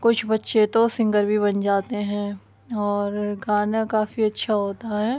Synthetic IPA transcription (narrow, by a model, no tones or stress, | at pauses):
kʊt͡ʃʰbɐtːʃet̪osɪ̃ŋɡəɾbʱibɐnd͡ʒaːt̪eɦɛ̃ː | ɔːɾɡaːnakaːfiɐtːʃʰaɦoːt̪aɦɛː